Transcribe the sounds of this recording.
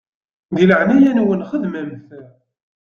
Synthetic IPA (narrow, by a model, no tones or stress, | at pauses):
ðiləʕnæjænwənχəðmæmθæ